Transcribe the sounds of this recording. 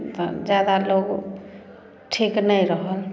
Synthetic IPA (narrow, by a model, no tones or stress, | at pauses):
t̪ɔ̰d͡ʒjad̪aloɡ | ʈʰiknəjɾəɦəl